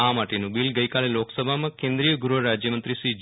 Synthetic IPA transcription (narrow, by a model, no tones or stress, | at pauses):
amaʈenũbilɡəjkaleloksəbʱamãkẽnd̪ɾijəɡuɾuoɾad͡ʒjəmənt̪ɾiʃɾid͡ʒ